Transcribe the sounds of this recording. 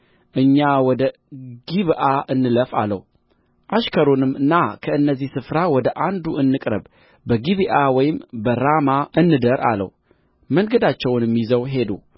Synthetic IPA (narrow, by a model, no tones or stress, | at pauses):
ʔɨɲːawɔd̪ə | ɡiβʔaʔɨnːɨləfa̰lːə̰w | ʔaʃkʰəɾonɨmːɨnːakʰəɨnːəzːihsɨfɾawɔd̪əʔand̪uɨnːɨkʼɾə̰b | bəɡiβiʔawɔjɪmbəɾamaʔɨnːɨd̪əɾʔa̰lə̰w | məŋɡəd̪at͡ʃːɛwnmːizəwɦe̞d̪ṵ